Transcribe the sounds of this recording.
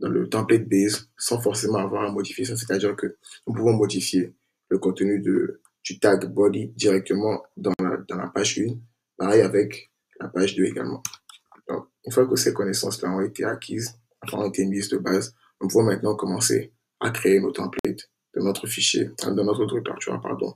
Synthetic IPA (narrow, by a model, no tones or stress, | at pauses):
d̪ɑ̃lə̰t̪ɑ̃plɛt̪̚bɛzsɑ̃fɔʁsemɑ̃avwaʁamɔd̪ifiasɔ̃s̬e̥t̪ad̪iʁkənupuvɔ̃mɔd̪ifje | ləkɔ̃t̪ənyd̪ə | d̪̥yt̪aɡbɔd̪id̪iʁɛk̚t̪ʰəmɑ̃d̪ɑ̃la̰d̪ɑ̃la̰paʒyn | paʁɛjavɛk | la̰paʒd̪øḛɡa̰lmɑ̃ | d̪ɔ̰̃ | ynfwakəsɛkɔnesɑ̰̃slaɔ̃et̪eakʰʲiz̃ | fɛ̃ɔ̃et̪emizd̪əbaz | nupuvɔ̃mɛ̃t̪nɑ̃kɔmɑ̃sḛ | a̰kχeenot̪ɑ̃plɛ̰t̪ | d̥̪ɑnɔt̪χəfiʃjḛd̪ɑ̃nɔt̪χɔt̪ʁykt̪ɔ̰ʁt̪y̰ʁa̰pa̰ʁd̪ɔ̰̃